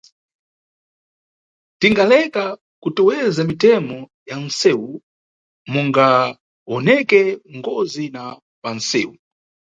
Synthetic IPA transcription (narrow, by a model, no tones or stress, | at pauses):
tiŋɡalɛka | kutuwɛzamitɛmɔ | jan̩sɛwu | muŋɡa | ɔnɛkɛŋɡɔzina | pansɛːwu